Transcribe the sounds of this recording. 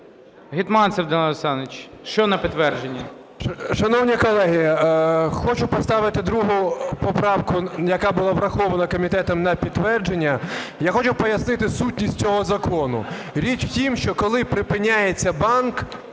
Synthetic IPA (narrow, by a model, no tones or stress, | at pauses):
ɦʲit̪mɑnsɛwd̪ɐnsɑnet͡ʃ | ʃt͡ʃɔnɐpʲit̪ːʋɛrd͡ʒenʲːɐ | ʃɐnɔwnʲikɔlˠɛɦɪ | xɔt͡ʃʊpɔst̪ɑʋɪt̪ɪd̪ɾuɦʊpɔpɾɑwkʊjɐkabʊlˠɑʋɾɐxɔʋɐnɐkɔmʲit̪ɛt̪ɔmnɐpʲit̪ːʋɛrd͡ʒenʲːɐjaxɔt͡ʃʊpɔjɐsnɪt̪ɪsutʲnʲisʲtʲt͡sʲɔɦɔzɐkɔnʊ̰ | ɾʲit͡ʃʲwtʲimʃt͡ʃɔkɔlˠɪpɾɪpɪnʲːajet͡sʲːɐbɑnk